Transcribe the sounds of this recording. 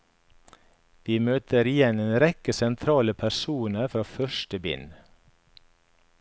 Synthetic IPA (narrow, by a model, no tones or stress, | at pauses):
ʋiːmøːt̪ʰəɾɪjɛneːnɾɛkəsɛnt̪ʰɾɑːləpʰæɾsuːnəɾfɾɑːfœʃʈəbɪ̰n